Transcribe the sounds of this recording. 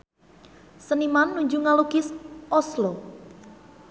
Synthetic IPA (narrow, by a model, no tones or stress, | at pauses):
sənimanːuɲd͡ʒuŋalukɪsɔslɔ